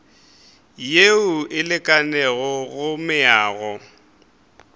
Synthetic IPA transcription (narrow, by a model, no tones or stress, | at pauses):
jeʊʔɪlɪkʼanɛɣɔɣʊmɪaːɣɔ